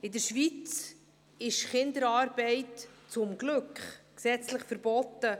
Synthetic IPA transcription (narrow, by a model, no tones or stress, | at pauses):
ɪdəɾʃʋit͡s | ɪʃχɪnd̪əɾɑːɾbɛɪtt͡sʊmɡlɵkχksɛt͡sləχfəɾbɔtːə